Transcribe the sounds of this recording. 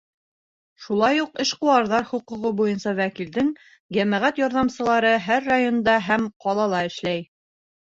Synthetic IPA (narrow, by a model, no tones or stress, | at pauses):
ʃulˠɑjuqɘʃquwɑɾðɑɾhuqŭʁɤbujɤnsɑwækild̪ɘŋ | jæmæʁæt̪jɒɾðɑmsɤ̆lˠɑɾɤɦæɾːajond̪ɑɦæmqɒlˠɑlˠɑɘ̆ʃlæj